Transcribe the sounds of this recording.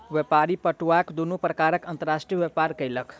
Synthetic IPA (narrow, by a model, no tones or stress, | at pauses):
ʋjepaɾipəʈuakd̪unupɾəkaɾəkənt̪əɾasʈɾijəʋjepaɾkəjləkʰ